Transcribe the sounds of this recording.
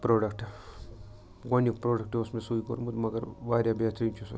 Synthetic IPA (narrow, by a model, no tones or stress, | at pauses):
pɾoːɖɐkʈ | ɡɐnikpɾoːɖɐk̚ʈeɐsmesuːikoɾumud̪mɐɡɐɾʋaːɾjabjaːt̪ɾiːnt͡ʃʰus